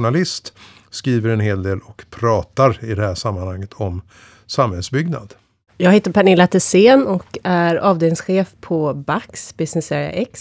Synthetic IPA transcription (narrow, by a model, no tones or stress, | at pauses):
ʊɳalɪst̪skɾiːvəɾɛnɦeːld̪eːlɔkpʰɾɑːt̪aɾɪd̪ɛhæːʂamːanhaŋːət̪ʰɔm | samhɛlsbʏɡna̰d̪̥ | jɑːɡheːt̪əɾpʰaɳɪlːat̪ʰɛseːnɔkæɾɑːvd̪eːlɪŋsɧeːfpʰɔbaksbɪsnɪseːɾɪa̰ʔɛks